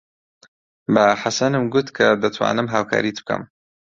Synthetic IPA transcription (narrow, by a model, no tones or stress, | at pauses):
bɐħasɐnɨmɡʊt̪kʰad̪ɐt̪ʰwa̰ːnɨmɦaːwkʰa̰ːɾit̪b̥̚kʰɐ̰m